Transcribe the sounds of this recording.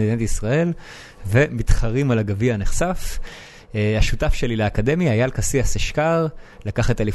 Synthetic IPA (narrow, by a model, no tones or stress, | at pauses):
ed̪inat̪isʁae̞l | ve̞mit̪χaʁimalaɡavianeχsaf | haʃutafʃe̞lileːkad̪e̞mjaːjalkasiaseʃkaʁlakaχet̪eli